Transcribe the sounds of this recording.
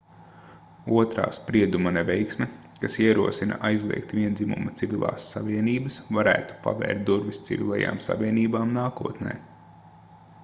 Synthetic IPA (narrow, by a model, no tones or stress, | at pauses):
uɔt̪ɾa̰ːspɾiɛd̪umɐnɛvʲɛjksmʲɛ | kasiɛɾuɔsinɐ̰ʔajzlˠḭɛk̚t̪vʲiɛnd̪zimṵmɐt̪sivʲilˠa̰ːsːavʲiɛniːbɐsvaɾæːt̪u̥pa̰vɛ̰ːɾt̪̚d̪uɾvist̪sḭvʲḭlˠaja̰ːmsa̰ʋiɛniːbaːmnaːkuɔt̪nɛ̰ː